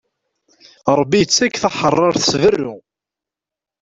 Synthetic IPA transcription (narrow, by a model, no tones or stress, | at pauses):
ɾˤəbːiət͡sːækːθɑħərˤːɑɾˤθə̥svərːʊ